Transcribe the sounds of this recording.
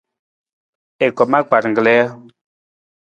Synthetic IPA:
e˨kɔ˨ma˦k͡pa˨ɾŋ̩˨ɡlɛ˦a˦

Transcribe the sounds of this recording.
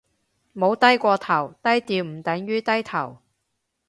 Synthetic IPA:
mo˨˧˥wt̪ɐ˥jkʷɔː˧t̪ʰɐ˨˩wt̪ɐ˥jt̪iː˧wm̩˨˩t̪ɐ˨˥ŋɥyː˥t̪ɐ˥jt̪ʰɐ˨˩w

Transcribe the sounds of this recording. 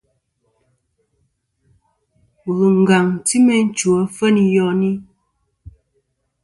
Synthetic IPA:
ɣu˨ŋ̩˨ɡa˨ŋ˨ti˦mɛ˨n̩˦t͡ʃu˨ɔ˨˦fə˦ni˨jɔ˦ni˦

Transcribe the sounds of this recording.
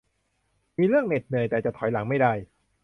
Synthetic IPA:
miː˧ɾɯ˥˩əŋne˨˩t̪̚nɯ˨˩əjt̪ɛː˨˩t͡ɕa˨˩t̪ʰɔ˩˦jla˩˦ŋma˥˩jda˥˩j

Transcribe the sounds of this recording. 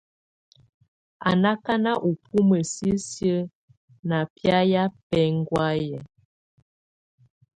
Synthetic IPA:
a˨na˦ka˦na˦ʔu˨pʰu˦mə˨si˦sjə˦ | na˨pja˦ja˦pɛ˦ŋ˦ɡwa˦jɛ˨

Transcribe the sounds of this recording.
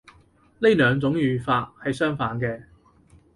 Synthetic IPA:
le˥jlœː˨˧ŋt͡sʊ˨˥ŋjyː˨faː˧t̚hɐ˨jsœː˥ŋfaː˨˥nkɛː˧

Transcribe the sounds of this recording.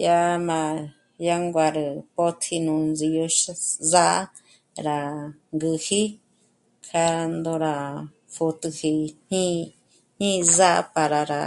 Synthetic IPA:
ja˧mã˧ | ja˧ŋɡʷa˧ɾɨ˧po˦t̪ʰi˧nũ˧˨nd͡zi˧jo˧ʃza˦ʔ | ɾa˨ŋɡɨ˧hi˦ | kʰa˧nd̪o˧ɾa˨ | fu˧t̪ɨ˧hi˧n̥ĩ˦ | n̥ĩ˦za˦ʔpa˧ɾa˨ɾa˨

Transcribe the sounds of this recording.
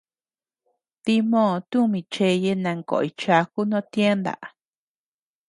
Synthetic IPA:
t̪i˧mõ˦˧t̪ũ˦mĩ˧t͡ʃe˧je˧nã˧ŋko̰˨i˧t͡ʃa˧ku˦nõ˦t̪je˦nd̪a̰˨ʔ

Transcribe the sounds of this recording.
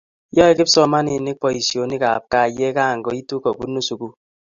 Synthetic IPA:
jɔ˦e˦ke˦psɔ˦˨ma˦ni˨ne˦k̚pɔ˦i˨sjo˨˦ni˦ka̰˨p̚ka˦˨je˦ka˦˨ŋ̩˨ɡɔ˨i˦tu˦kɔ˨ku˦no˦su˨ku˦

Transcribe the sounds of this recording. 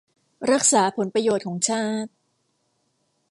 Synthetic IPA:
ɾa˦˥k̚saː˩˦pʰo˩˦npɾa˧joː˨t̪̚kʰɔː˩˦ŋt͡ɕʰaː˥˩t̪̚

